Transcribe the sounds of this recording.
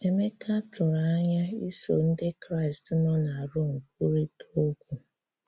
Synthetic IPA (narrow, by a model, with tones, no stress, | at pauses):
e˨me˦kʰa˦tʊ˨ɾa˦ɲa˦i˦so̰˨n̩˦dɪ˦kɾa˦ɪ˨stnɔ˦na˨a˨ɾʊ˦ŋ̩˨k̚u˦ɾi˦tʰo˦kʷu˨